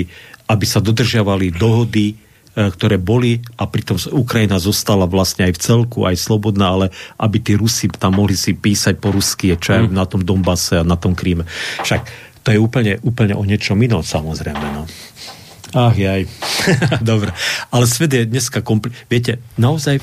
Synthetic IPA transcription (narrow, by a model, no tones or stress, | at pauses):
abisad̪ɔd̪r̩ʒɪaʋalid̪ɔɦɔd̪i | kt̪ɔɾɛːbɔliapɾit̪ɔmukɾajinazɔst̪alaʋlasɲɛajft͡sɛlkṵʔajslɔbɔd̪naːalɛʔabit̪iːɾusit̪amːɔɦlisipiːsac̚pɔɾuskiɛt͡ʃɔajnat̪ɔmd̪ɔmbasɛanat̪ɔmkɾiːmɛfʃak | t̪ɔjɛuːpl̩ɲɛʔuːpl̩ɲɛ̰ʔɔɲɪɛt͡ʃɔminɔsamɔzɾɛmɛna | axjaj | d̪ɔbɾɛalɛsʋɛd̪jɛd̪ɲɛskakɔmplʋɪɛc̬ɛnaɔzaj